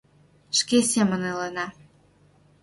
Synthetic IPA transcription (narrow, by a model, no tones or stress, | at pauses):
ʃkesemə̆nelənɑ